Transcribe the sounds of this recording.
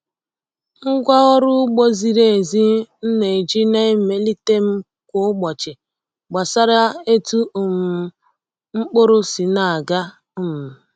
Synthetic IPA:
ŋ̩˦ɡʷa˦ɔ˦ɾʊ˦ɡ͡bo˦zi˨ɾe˨zi˦n̩˦ne˨d͡ʒi˦ne˦me˨li˦te˦m̩˦ | kʷʊ˨˦ɡ͡bɔ˨t͡ʃɪ˨ | ɡ͡ba˨sa˦ɾa˦e˦tu˦ʊ˨m̩˨ | ŋ͡m̩˦k͡po˦ɾʊ˦si˨na˨a˨ɡa˦˨ | m̩˨

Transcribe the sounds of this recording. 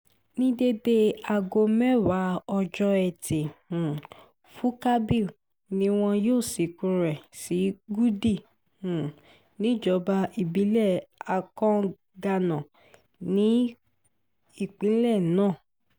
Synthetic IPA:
nĩ˦de˧be˧a˨ɡo˧mɛ˦wa˨˦ɔ˧d͡ʒɔ˧ɛ˨te˨ũ˨ | fu˨˦ka˦bi˦˨ | nĩ˨˦w̃ɔ̃˧joː˦˨si˨kũ˧ɾɛ˨si˨˦ɡu˦di˦˨ | ũ˨ | nĩ˨˦d͡ʒɔ˧˦ba˧i˦˨bi˨˦lɛ˦˨a˨kɔ̃˦ | ɡa˧nã˨ | nĩ˨˦ | i˦˨k͡pĩ˨˦lɛ˦˨nãː˦˨

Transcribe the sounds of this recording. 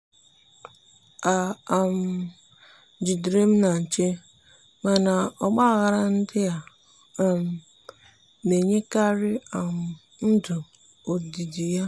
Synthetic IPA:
a˨a˨m̩˨ | d͡ʒi˨dɾe˦m̩˦na˨n̩˨t͡ʃe˦ | ma˨na˨ɔ˨ɡ͡ba˦˨ɣa˨ɾa˨n̩˦dɪ˦ja˨ | m̩˨ | ne˨ɲe˦ka˦ɾɪ˦a˨m̩˨ | n̩˦dʊ˨ | o˨di˨di˨ja˦

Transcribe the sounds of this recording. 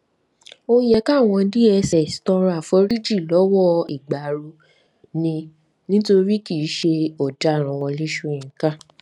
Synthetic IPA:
o˦jɛ˦˨ka˦˨w̃ɔ̃˧˦di˦ɛ˧sɛ˨stɔ˧ɾa˨fɔ˧˦ɾi˦d͡ʒi˦˨lɔ˨˦wɔ˦i˨ɡ͡ba˨ɾu˧ | nĩ˧ | nĩ˦to˧ɾi˦ki˦˨˦ʃe˧ɔ˨da˨˦˨ɾ̃ã˨w̃ɔ̃˧li˦ʃu˦˧ĩ˨kã˦˨

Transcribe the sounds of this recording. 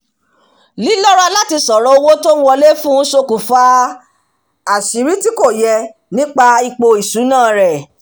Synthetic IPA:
li˦lɔ˦ɾa˧la˦ti˧sɔ˨ɾɔ˨o˧wo˦tõ˦wɔ˧le˦fũ˦ʃo˧ku˨fa˧ | a˨ʃi˨˦ɾi˦ti˦ko˦˨jɛ˧ | nĩ˦k͡pa˧i˧k͡po˧i˨sũ˨˦nãː˦˨ɾɛ˨

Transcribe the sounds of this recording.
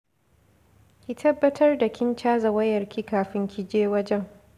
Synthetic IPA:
kʲi˦tʰɐ˦bːɐ˦tʰɐ˦rda˨kʲɪ˦nt͡ʃaː˦zɐ˨wɐ˦jɐ˨rkʲiː˦kaː˨ɸɪ˦ŋkʲi˦d͡ʒeː˦wɐ˦d͡ʒɛ˦ŋ

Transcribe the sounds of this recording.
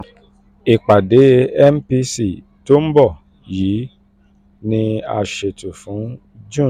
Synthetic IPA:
i˨k͡pa˨de˨˦ɛ˦˨m̩˦pi˧˦si˨ | to˦m̩˦bɔ˦˨ | ji˨˦ | nĩ˧a˧ʃe˧tu˨fũ˨˦ | d͡ʒũ˦˨

